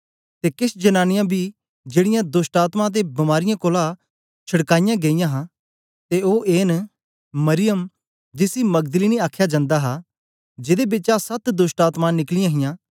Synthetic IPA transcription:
t̪ekɪsd͡ʒɐnaːnɪjãbʱi | d͡ʒeːɽɪjãd̪ʊsʈaːt̪mãt̪̬ebɐmaːɾɪjãkoːla | t͡ʃʰɐɽkaːɪjãɡeijãɦã | t̪eoːʔeːn | mɐɾɪjəm | d͡ʒɪsimɐɡ̚d̪əliːniaːkʰːjad͡ʒãːnd̪aɦa | d͡ʒɪd̪ebɪt͡ʃasɐt̪d̪ʊsʈaːt̪mãnɪklɪjãɦɪjãː

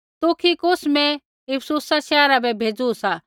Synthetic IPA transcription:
t̪ʊkʰikʊsmɛ̃ | ɪpʰsuːsaʃɛːɾabɛbʱeːd͡zusa

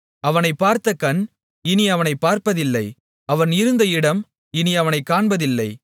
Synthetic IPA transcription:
ɐʋɐnɐɪpːaːɾt̪ɐkɐn | ɪniɐʋɐnɐɪpːaːɾpɐðɪlːɐɪ | ɐʋɐnɪɾɯnd̪ɐɪɽɐm | ɪniɐʋɐnɐɪkːaːɳbɐðɪlːɐɪ

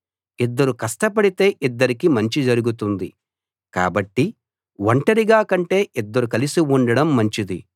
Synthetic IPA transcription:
id̪ːɐɾukɐsʈɐp̬ɐɽit̪e̞ːʔid̪ːɐɾikimɐɲt͡ʃid͡ʒɐɾuɡut̪̬und̪i | ka̰ːbɐʈːi | ʋɐɳʈɐɾiɡaːkɐɳʈe̞ːʔid̪ːɐɾukɐlisiuɳɖɐɽɐmːɐɲt͡ʃid̪ḭ

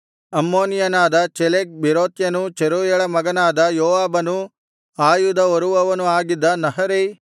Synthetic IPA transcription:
ɐmːoːnijɐnaːd̪ɐt͡ʃɛlek̚biɾoːt̪jɐnut͡ʃeɾuːjɐɭɐmɐɡɐnaːd̪ɐjoːʋaːbɐnu | aːjud̪ɐɔɾuʋɐʋɐnuaːɡid̪ːɐnɐɦɐɾe

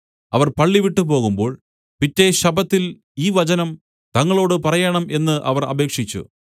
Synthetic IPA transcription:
ɐʋɐrpɐɭːiʋiʈːɨp̬o̞ːɣumbo̞ːɭ | pitːe̞ɕɐbɐt̪ːil | iːʋɐt͡ɕɐnɐm | t̪ɐŋːɐɭo̞ːɽɨpɐrɐjɐɳɐme̞nːɨʔɐ̰ʋɐrɐ̰be̞ːkʂit͡ɕːṵ

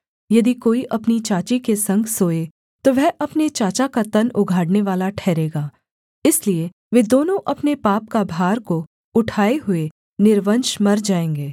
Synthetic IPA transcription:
jɐd̪ikoːiʔɐpnit͡ʃaːt͡ʃikesɐ̃ŋɡsoːe | t̪oʋɛɦʔɐpnet͡ʃaːt͡ʃakat̪ɐnʊɡʱaːɽneʋaːlaʈʰɛːɾeːɡaː | ɪslie | ʋeːd̪oːnõʔɐpnepaːp̚kabʱaːɾko | ʊʈʰaːeɦʊe | nɪɾʋənʃmɐɾd͡ʒaːẽːŋɡeː

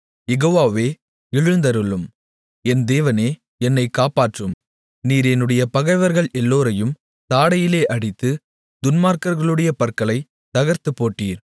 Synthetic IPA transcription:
jɛɣoːʋaːʋeː | ɪɻɯnd̪ɐɾɯɭɯm | ɛnd̪eːʋɐneː | ɛnːɐɪkːaːpaːʈrɯm | niːɾɛnɯɽɐjɐpɐɣɐɪʋɐɾɣɐɭʔɛlːoːɾɐjɯm | t̪aːɽɐjɪleːʔɐɽɪt̪ːɯ | d̪ʊnmaːɾkɐɾɣɐɭɯɽɐjɐpɐɾkɐɭɐɪ | t̪ɐɣɐɾt̪ɯpːoːʈːiːɾ

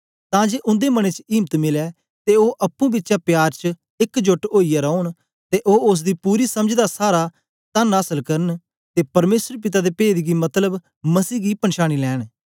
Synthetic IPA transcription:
t̪ãːd͡ʒeːʔʊ̃nd̪eːməɽ̃et͡ʃiːmt̪mɪlɛː | t̪eoːʔɐpːũːbɪtːʃaːpjaːɾt͡ʃ | ɪkd͡ʒʊʈoːijaɾɔːɳ | t̪eːʔoːʊs̬d̪iːpuːɾiːsəmd͡ʒd̪asaːɾa | t̪ənaːsəlkəɾən | t̪eːpɐɾmeːsɾp̬ɪt̪aːd̪eːpeːd̪ɡimɐt̪ləb | məsiːɡiːpəɳʃaːɽ̃iːlɛːɽ̃

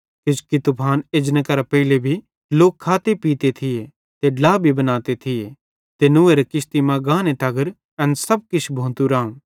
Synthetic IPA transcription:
kɪt͡ʃkit̪ʊpʰaːned͡ʒnəkɐɾapɐɪlebʱi | loːkʰːaːt̪epiːt̪et̪ʰɪje | t̪eɖlaːbʱibɐnaːt̪et̪ʰɪje | t̪enʊːeɾɐkɪst̪imãɡãːnet̪ɐɡəɾ | ɛ̃nsɐb̚kɪt͡ʃʰbʱõːnt̪uɾãːũː

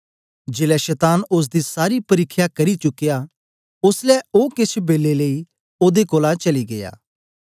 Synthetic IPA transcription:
d͡ʒeːlɛʃɛːt̪aːnʊs̬d̪isaːɾipɐɾɪkʰːjakɐɾit͡ʃʊkːɪja | ʊslɛoːkɪt͡ʃʰbeːleləi | oːd̪ekoːlat͡ʃɐliɡḛja̰ː

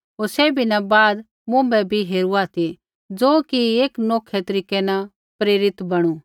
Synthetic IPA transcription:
ɦoːɾsɛːbʱinɐbaːd̪ | mʊ̃ːmbɛbʱiɦeːɾuaːt̪ʰi | d͡zoːkieːknoːkʰɛt̪ɐɾiːkɛna | pɾeːɾɪt̪bɐɽ̃u

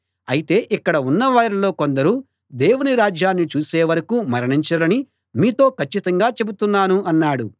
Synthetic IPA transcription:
ɐjit̪e̞ːʔikːɐɽɐunːɐʋaːɾilo̞ːko̞nd̪ɐɾu | d̪e̞ːwuniɾaːd͡ʒjaːnːit͡ʃuːse̞ːʋɐɾɐkuːmɐɾɐɳiɲt͡ʃɐɽɐni | miːt̪o̞ːkʰɐt͡ʃːit̪ɐŋɡaːt͡ʃe̞but̪unːaːnuɐnːaːɽu

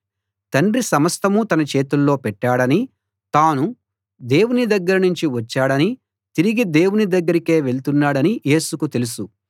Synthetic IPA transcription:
t̪ɐɳɖrisɐmɐst̪ʰɐmut̪ɐnɐt͡ʃe̞ːt̪ulːo̞ːpɛʈːaːɽɐni | t̪aːnu | d̪e̞ːwunid̪ɐɡːɐɾɐnuɲt͡ʃiʋɐt͡ʃːaːɽɐni | t̪iɾiɡid̪e̞ːwunid̪ɐɡːɐɾike̞ːʋe̞ɭt̪unːaːɽɐnije̞ːsukut̪e̞lusu

